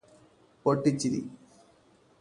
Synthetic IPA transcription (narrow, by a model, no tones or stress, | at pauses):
poʈːit͡ɕːiɾḭ